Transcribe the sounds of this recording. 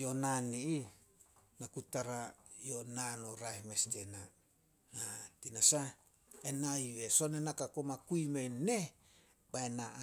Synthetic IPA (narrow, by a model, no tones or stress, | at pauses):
jonanii | nakutaɾajonanoɾaehmestena | hatinasa | enaiwesonenakakomakuimene | baenaʔ